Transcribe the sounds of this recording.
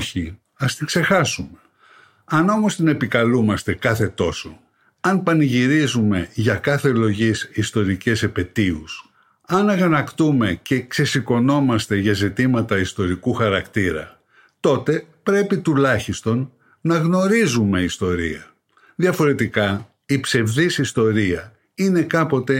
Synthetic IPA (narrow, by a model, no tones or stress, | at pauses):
çi | ɐst̪iɡ̥se̞xɐsume | ɐno̞mo̞st̪ine̞pikɐlumɐst̪e̞kɐθe̞t̪o̞so̞̰ | ɐnpɐniʝiɾizume̞ʝɐkɐθe̞lo̞ʝisist̪o̞ɾice̞sepe̞t̪ius | ɐnɐɣɐnɐkt̪ume̞ce̞kse̞siko̞no̞mɐst̪e̞ʝɐzit̪imɐt̪ɐist̪o̞ɾikuxɐɾɐkt̪iɾɐ̰ | t̪o̞t̪e̞pɾe̞pit̪ulɐçist̪o̞nː | ɐɣno̞ɾizume̞ist̪o̞ɾḭɐ | ðjɐfo̞ɾe̞t̪ikɐ | ipse̞vðisist̪o̞ɾiɐ | ine̞kɐpo̞t̪e̞